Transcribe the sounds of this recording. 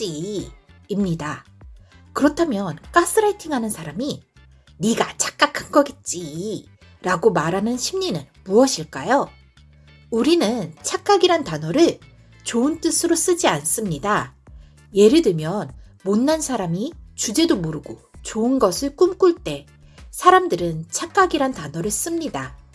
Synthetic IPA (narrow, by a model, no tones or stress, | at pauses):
t͡ɕ͈iː | mɲida | kɯɾʌtʰamjʌnk͈as͈ʰɯɾaitʰiŋɦanɯnsʰaɾami | niɡat͡ɕʰḁk͈̚akʰanɡʌɡet̚t͡ɕ͈i | ɾaɡomaɾɦanɯnɕʰimɲinɯnmuʌɕʰiɭk͈ajo | uɾinɯnt͡ɕʰak͈̚aɡiɾantanʌɾɯɭ | t͡ɕoɯnt͈ɯsʰɯɾos͈ɯd͡ʑians͈ɯmɲida | je̞ɾɯdɯmjʌn | monːansʰaɾamit͡ɕud͡ʑe̞domoɾɯɡot͡ɕoɯnɡʌsʰɯɭk͈umk͈uɭt͈e̞ | sʰaɾamdɯɾɯnt͡ɕʰak͈aɡiɾantanʌɾɯɭs͈ɯmɲida